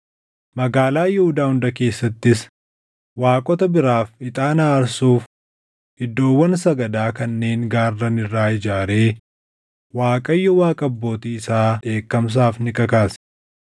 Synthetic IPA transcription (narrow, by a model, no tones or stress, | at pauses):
mɐɡaːlaːjɪhʊd̪aːhʊnd̪ɐke̞ːsːɐt̪ːɪs | waːkʼɔt̪ɐbɪɾaːfɪt̪ʼaːnaːɾsuːf | hɪd̪ːo̞ːwːɐnsɐɡɐd̪aːkɐnːe̞ːŋɡaːrːɐnɪrːaːɪd͡ʒaːɾe̞ː | waːkʼɐjːɔwaːkʼɐbːo̞ːt̪iːɪsaːᶑe̞ːkːɐms̬aːfnɪkʼɐkaːs